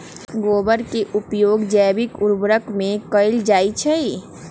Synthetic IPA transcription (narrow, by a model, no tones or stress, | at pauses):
ɡobəɾkeʔupjoɡd͡ʒɛbikuɾbɾəkmẽkəɪld͡ʒajt͡ʃʰɛj